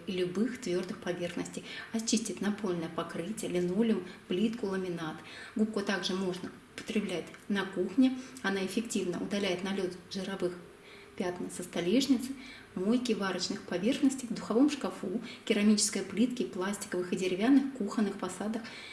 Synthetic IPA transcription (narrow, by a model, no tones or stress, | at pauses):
ilʲʊbɨxt̪vʲo̞rd̪ɨxpɐvʲe̞rxnəsʲtʲɪjɐt͡ɕːisʲtʲɪtʲnɐpolʲnəjəpɐkɾɨtʲɪjəlʲɪnolʲʊmplʲit̪kʊlˠəmʲɪnat̪ɡup̚kʊt̪aɡʐɨmo̞ʐnə | ʊpə̥t̪ɾʲɪblʲætʲnɐkuxnʲɪɐnaɪfʲɪktʲivnə̰ʔʊd̪ɐlʲæjɪt̪nɐlʲot̪ʐɨɾɐvɨx | pʲat̪nʲɪsəst̪ɐlʲiʐnʲɪt̪sɨ̥ | mojkʲɪvaɾət͡ɕnɨxpɐvʲe̞rxnəsʲtʲɪjvd̪ʊxɐvo̞mʂkɐfukʲɪɾɐmʲit͡ɕɪ̥skəjəplʲit̪kʲɪplˠasʲtʲɪ̥kəvɨxɨdʲɪɾʲɪvʲanːɨxkuxənːɨxpɐsad̪əx